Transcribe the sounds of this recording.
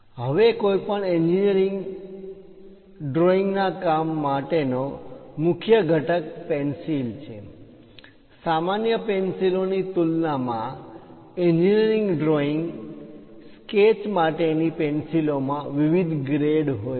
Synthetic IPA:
ɦəʋekojpəɳeɲd͡ʒinəɾiŋɡ | ɖɾoiŋɡnakamːaʈenomʊkʰjəɡʱəʈək̚pɛnsilt͡ʃʰe | samanjəpɛnsilonit̪ulnamã | eɲd͡ʒinəɾiŋɡɖɾoiŋɡ | sket͡ʃmaʈenipensilomãʋiʋid̪ɡɾeɽɦoj

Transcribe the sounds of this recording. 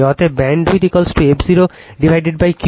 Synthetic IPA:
ɦɔt̪ebɛɳɖɾid̪ikɔlsʈebziɾo | ɖibʱajɖeɖ̚bajk

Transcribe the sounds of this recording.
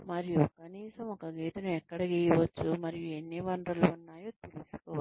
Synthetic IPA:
mɐɾijukɐniːsɐmɔkɐɡiːt̪ɐnuɛkːɐɽɐkiiʋɐt͡ʃːumɐɾijue̞nːiʋɐnd̪ɾɐluunːaːjoːt̪ilisu̥kɔːa

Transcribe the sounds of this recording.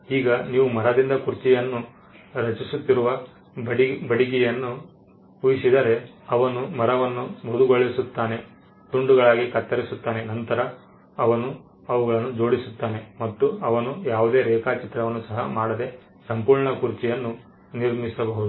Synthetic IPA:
iːɡɐniːʋumɐɾɐd̪ind̪ɐkuɾt͡ʃijɐnːu | ɾɐt͡ʃisut̪ːiɾuʋɐ | bɐɽiɡ̬ɛjɐnːu | ujisid̪ɐɾe̞ | ɐʋɐnumɐɾɐʋɐnːumud̪uɡoɭːisut̪ːaːne̞ | d̪uɳɖuɡɐɭaːɡikɐt̪ːɐɾisut̪ːaːne̞nɐnt̪ɐɾɐː | ʋɐnu | ɐʋuɡɐɭɐnːud͡ʒo̞ːɽisut̪ːaːne̞mɐt̪ːuɐʋɐnujaːʋud̪e̞ːɾɛːkaːt͡ʃit̪ɾɐʋɐnːusɐɦɐ̰maːɽɐd̪e̞ | sɐmpuːɾɳɐkuɾt͡ʃijɐnːu | niɾmisɐbɐɦud̪uu

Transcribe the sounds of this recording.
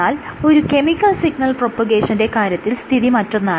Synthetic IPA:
aːlo̞ɾuke̞mikːɐlsiɡnɐlpropːɐɡeːʂɐnde̞kaːɾjɐt̪ːilst̪ʰiðimɐtːo̞nːaː

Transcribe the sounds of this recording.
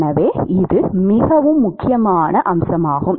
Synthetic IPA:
nɐʋeːɪðɯmɪɣɐʋɯmːʊkːɪjɐmaːnɐʔɐmsɐmaːɣɯm

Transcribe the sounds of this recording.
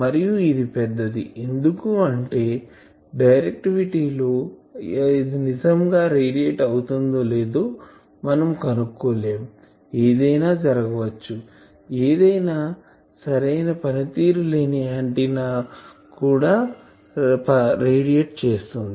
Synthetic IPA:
mɐɾijuid̪ipɛd̪ːɐd̪ḭʔend̪ukuɐɳʈe̞ː | ɖɐjɾek̚ʈiʋiʈiːlo̞ː | id̪inid͡ʒɐmɡaːɾeːɽieːʈɐwut̪und̪oːle̞ːd̪oː | mɐnɐmkɐnukːoːleːmu | eːd̪ɐjnaːd͡ʒɐɾɐɡɐʋɐt͡ʃːu | eːd̪ɐjnaː | sɐɾɐjnɐpɐnɐt̪iːɾule̞ːniaːɳʈinaː | kuːɽaː | pɾeːɽieʈ̚t͡ʃe̞ːst̪und̪i

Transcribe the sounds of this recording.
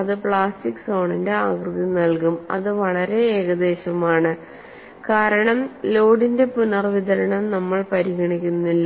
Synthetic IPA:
ɐðɨpɭaːstikːso̞ːɳinde̞aːɡrɨðinɐlkumɐ̰ðɨʋɐɭɐɾe̞eːɣɐd̪e̞ːɕɐmaːɳɨ | kaːɾɐɳɐmlo̞ːɽinde̞punɐrʋiðɐɾɐɳɐmnɐmːɐɭpɐɾiɣɐɳikʲːunːilːɐ

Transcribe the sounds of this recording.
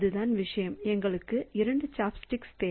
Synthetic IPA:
ðɯðaːnʋɪʂɐjɐmɛŋɡɐɭɯkːɯɪɾɐɳɖɯt͡ʃaːpsʈɪkst̪eː

